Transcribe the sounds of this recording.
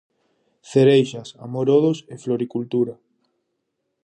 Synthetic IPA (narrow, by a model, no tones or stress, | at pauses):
θeɾejʃasa̰moɾoðʊsefloɾikult̪uɾa